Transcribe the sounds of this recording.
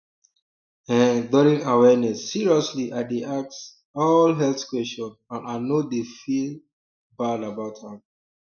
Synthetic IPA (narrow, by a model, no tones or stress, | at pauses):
ɛ̃dɔɾĩŋawɛnɛsːiɹiɔsliʔadeʔak̚s | ɔlɦɛlθkwɛstɔ̃nãnanodefi | badabawthãm